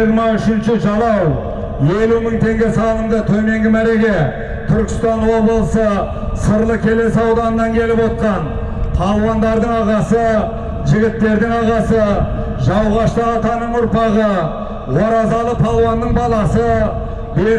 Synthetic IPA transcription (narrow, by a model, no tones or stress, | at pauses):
iɾmɑʏʃɪnʃɪʒɑlˠɑw | e̞luməɴt̪ʰe̞ŋɡʲe̞sɑlˠəmd̪ət̪ʰɵme̞ŋɡʲɪmæɾe̞ɡʲe̞ | t̪ʰʏɾkʲɪ̥st̪ɑnwo̞bləəsə | səɾlˠəkʲʰe̞le̞sɑwd̪ɑnənɑŋkʲʰe̞lɪpwo̞t̪̚qɑn | t̪ʰɑlˠwɑnd̪ɑɾd̪əɴɑʁɑsə | ʒɪɡʲɪt̪ːe̞ɾd̪ɪŋɑʁɑsə | ʒɑwʁɑʃt̪əɑt̪ɑnəɴʊɾpɑʁə | woɾɑzɑlˠət̪ʰɑlˠwɑnːəɴbɑlˠɑsə | be